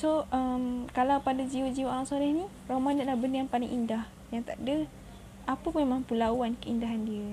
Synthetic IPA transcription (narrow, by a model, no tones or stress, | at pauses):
soʔəmkalawpadad͡ʒiwod͡ʒiwaʔlaŋsolɛhnĩ | romadanlahbənəanpalɪŋʔindah | jaŋt̪aʔdə | ʔapəpuamãpulawankəindaɦandiə